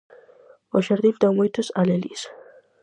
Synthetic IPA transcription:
ɔʃaɾd̪ild̪amɔit̪ʰɔsalɛlḭs

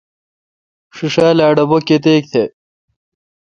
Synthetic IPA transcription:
ʂuʂaːlaːɖɐbokːet̪eːk̚t̪ʰe

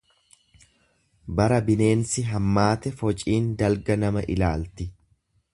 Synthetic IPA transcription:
bɐɾɐbɪne̞ːnsɪɦɐmːaːt̪ɛfɔt͡ʃʼiːnd̪ɐlɡɐnɐmɐʔɪlaːlt̪ɪ

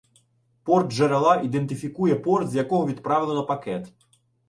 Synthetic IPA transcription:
pɔrd̪ʒɐɾɐlˠɑʔid̪ent̪ɪfʲikujɛpɔrt̪zʲjɐkɔɦɔʋʲid̪pɾɑʋʲɪlˠenɔpɐkɛt̪

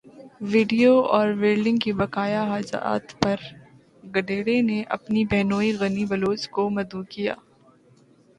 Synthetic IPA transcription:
ʋɪːɖijoɔːɾʋeːɾlɪ̃ŋɡkibɐkaːjaɦaːd͡ʒa̰ːt̪pɐɾ | ɡɐɖeːɽeneʔɐ̰pnibɛɦnoːiɣɐnibɐloːd͡ʒkomɐd̪ukija̰ː

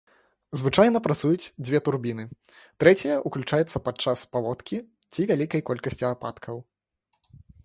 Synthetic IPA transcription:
zvɨt͡ʂajn̪ɐpɾat̪sujut͡sʲd͡zʲvʲɛt̪urbʲinɨ | t̪ɾɛt͡sʲijɐʔuklʲut͡ʂajɛt̪sːɐpat͡ʂːaspavɔt̪kʲi | t͡sʲivʲalʲikɐjkɔlʲkɐsʲt͡sʲiapa̰t̪kʰɐw

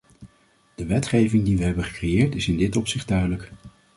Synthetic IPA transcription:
d̥əʋɛtχejvɪŋdiʋəɦɛbəχə̥krejɪːɹtɪsɪndɪtɔpsɪχdœɥdələk

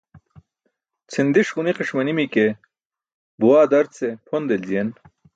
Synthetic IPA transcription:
t͡sʰind̪iʂʁuniqiʂmɐnimike | buwaːd̪ɐɾt͡sepʰond̪elzijen

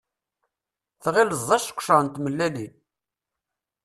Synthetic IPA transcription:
θʁiləzˤːɑʃkʷːʃəʁənt̪məlːæli

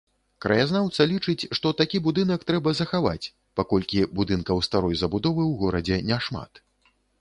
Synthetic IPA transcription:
kɾɐjaznawt̪sɐlʲit͡ʂɨt͡sʲʂt̪ɔt̪akʲibud̪ɨnɐkt̪ɾɛbɐzɐxava̰t͡sʲ | pakɔlʲkʲibud̪ɨnkɐwst̪aɾɔjzɐbud̪ɔvɨwɣɔɾɐd͡zʲɛnʲɛʂma̰t̪

